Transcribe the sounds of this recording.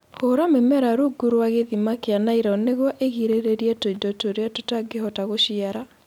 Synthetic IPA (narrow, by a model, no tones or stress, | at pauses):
hoɾamɛmɛɾaɾoɡuɾwaɣeðimakeanaiɾɔneɣɔʔeɣiɾeɾeɾiɛtoindɔtoɾeatotaɡehɔtaɣoʃiaɾa